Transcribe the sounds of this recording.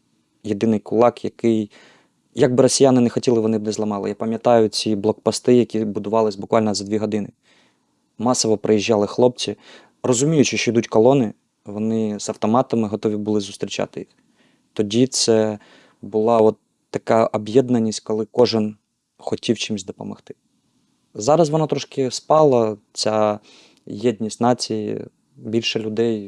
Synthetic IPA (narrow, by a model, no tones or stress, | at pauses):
jed̪ɪnɪjkʊlˠɑkjɐkɪj | jɐɡ̚bɪɾɔsʲijanɪnɛxɔtʲilˠɪʋɔnɪbnɛzlˠɐmɑlˠɪ̰japɐmʲjɐt̪ɑjʊt͡sʲiblˠɔkpɐst̪ɪjɐkʲibʊd̪ʊʋɑlˠɪsʲbʊkʋɑlʲnzɐd̪ʋʲiɦɔd̪ɪnɪ | mɑsɔʋɔpɾɪjiʒːɑlˠɪxlˠɔp̚t͡sʲi | rɔzʊmʲijʊt͡ʃɔt͡ʃɔid̪utʲkɔlˠɔnɪ | ʋɔnɪzɐwt̪ɔmɑt̪ɐmɪɦɔt̪ɔʋʲibʊlˠɪzʊst̪ɾʲit͡ʃɑ̰t̪ɪjix | t̪ɔdʲit̪sɛ | bʊlˠɑɔt̪ːɐkɑʔɔbjɛd̪nɐnʲisʲtʲkɔlˠɪkɔʒɪn | xɔtʲiwt͡ʃɪmsʲd̪ɔpɔ̰mɐxt̪ɪ̥ | zɑɾɐs̬ʋɔnɑt̪ɾɔʃkɪspɑlˠɐt͡sʲa | jɛd̪ʲnʲisʲtʲnɑt͡sʲijḭ | bʲilʲʃɛlʲʊd̪ɛj